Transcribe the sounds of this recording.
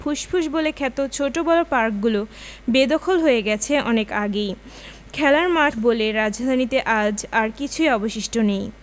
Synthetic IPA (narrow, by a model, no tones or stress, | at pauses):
pʰuʃpʰuʃbolekʰɛt̪ot͡ɕʰoʈobɔlopaɾk̚ɡulo | bed̪ɔkʰolɦoeɡɛt͡ɕʰeʔɔnekaɡej | kʰɛlaɾmaʈʰboleɾad͡ʑʱd̪ʱanit̪eʔad͡ʑaɾkit͡ɕʰujɔboʃiʃʈʰonej